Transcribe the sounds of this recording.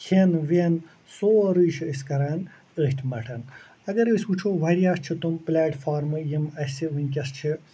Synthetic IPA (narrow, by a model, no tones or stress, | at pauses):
kʰenʋeːn | soːɾɨːʃʰiːsʲkɐɾaːn | əɦʲt̪ʰmɐʈʰɐn | ɐɡɐɾɨsʲput͡ʃʰoːʋɐɾjaːst͡ʃʰit̪umplʲaːʈfʰaːɾmɨjimɐsiʋɨnʲkʲɐst͡ʃʰi